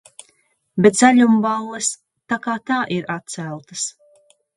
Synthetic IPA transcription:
bʲɛt̪zaʎʲumbalˠːɛs | t̪akaːt̪aːʔiɾat̪̚t̪sælˠt̪ɐs

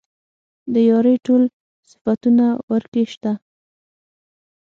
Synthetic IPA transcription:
d̪əjɑɾəʈol | sɪ̥fat̪unawəɾkeʃt̪a

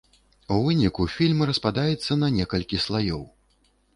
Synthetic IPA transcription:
uvɨnʲikufʲilʲmɾɐspad̪ajɛt̪sːɐnɐnʲɛkɐlʲkʲislˠajɔw

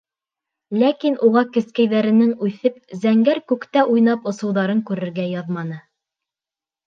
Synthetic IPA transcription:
lækinʔuʁɑkɘ̆skæjðæɾɘ̆nɘŋʉθɘp̚zæŋɡæɾkʉkt̪æʔujn̪ɑpŏsŏwðɑɾɤŋkʉɾɘ̆ɾɡæjɑðmɑnɤ

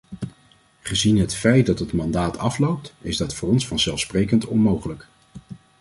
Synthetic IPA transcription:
χəzinɦətfɛjt̚dɑtɦətmɑndaːtʰɑflowp̚tɪzdɑtfʊːrɔnsfɑnzɛlˠfsprejkəntɔnmowχələk

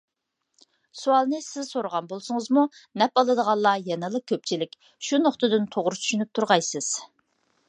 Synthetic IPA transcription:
suɑlˠnɨsɪz̥soɾəʁɑnbolˠsʊŋəzmunɛpɑlˠɨd̪əʁɑnlˠːɑjɛnɨlˠəkʲʰøp̚t͡ʃʰilɪkʲ | ʃunoχt̪ɨd̪ɨnt̪ʰoʁɾut͡ʃʰy̥ʃynyp̚t̪ʰuɾʁɑjsɨz̥

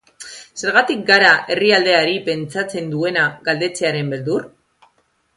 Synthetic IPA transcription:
se̞ɾɣat̪ik̚ɡaɾaʔe̞riald̪e̞aɾipe̞nt͡sat͡se̞nd̪ue̞naɣald̪e̞t͡se̞aɾe̞mbe̞ld̪uɾ

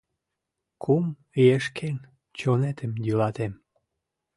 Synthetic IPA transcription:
kʰum | ijeʃkʰen | t͡ɕonet̪əmjylɑt̪em

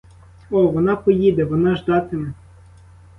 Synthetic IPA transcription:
ɔʋɔnɑpɔjid̪ɛʋɔnɑʒd̪ɑt̪ɪmɛ

